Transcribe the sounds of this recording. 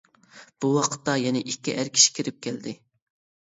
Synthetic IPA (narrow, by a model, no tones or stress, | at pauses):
b̥uwɑqʰə̥t̪ːɑjɛnɪʔikʲːiʔæɾkʲʰi̥ʃi̥kʲʰiɾɪp̚kʲʰæld̪ɪ